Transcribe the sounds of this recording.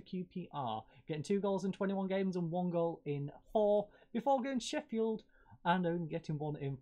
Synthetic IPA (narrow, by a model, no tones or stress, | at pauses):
kʰj̥ʉːpʰiːʔɑ̰ːɡ̥ɛtɪ̃ŋtʰʉːɡəʊlˠzɪ̃ntʰw̥ɛ̃ntiwʌ̃nɡẽɪ̃mzə̃nwʌ̃nɡəʊlˠɪ̃nhɔː | b̥ɪfɔːɡoʊɪ̃ŋʃɛfilˠd | ə̃nə̃ʊ̃nliɡɛtɪ̃ŋwʌ̃nɪ̃n